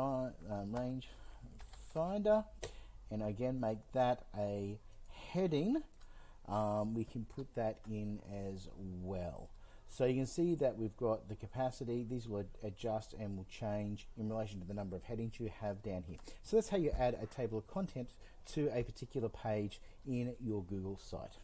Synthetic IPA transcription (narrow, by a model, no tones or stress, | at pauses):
ʌɹẽɪ̃nʒ̥ | fãɪ̃ndə˞ɨ̃ñaɪɨɡɛ̃nmeɪk̚ðɨɾʔɨ | hɛɾɪ̃ŋ | ʔʌ̃mwikʰɨ̃n̩pʰʊt̪̚ðɨɾɪ̃nɨzwɛlˠ | soʊjɨkɨ̃nsiðɨʔ̚wivɡɑt̪̚ðɨkʰɨpʰæsɨɾiðizwəlˠɨd͡ʒʌstɨ̃nwɪlˠt͡ʃʰẽɪ̃nd͡ʒɨ̃nɹileɪʃ̬n̩tʰɨðɨnʌ̃mbə˞ʌv̥hɛɾɪ̃ŋzjɨɨvdãʊ̃nhiɹsoʊðætshaʊjɨʔæɾɨ̰tʰeɪbl̩ˠʌv̥kʰɑ̃ntʰɛ̃ntʰ | ɨɨpʰə˞tʰɪkjl̩ˠə˞pʰeɪd͡ʒ | ɪ̃njə˞ɡʉɡl̩ˠsa̰ɪt̚